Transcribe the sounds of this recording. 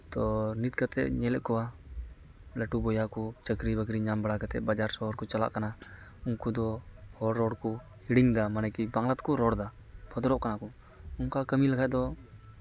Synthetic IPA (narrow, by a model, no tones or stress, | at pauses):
t̪ɔnit̪̚kat̪ɛ̰ʔɲɛlɛʔkɔwa | lɛʈubɔjakɔt͡ʃəkɾibəɡɾiɲambaɽakat̪ɛ̰ʔ̚bad͡ʒaɾsɔɦɔɾkɔt͡ʃala̰ʔkanauŋkud̪ɔhɔɽːɔɽkɔ | hiɽiŋd̪amanɛkibaŋlat̪̚kɔɾɔɽd̪a | bʰɔd̪ɾɔʔkanakɔ | uŋkakəmilakʰaʔd̪ɔ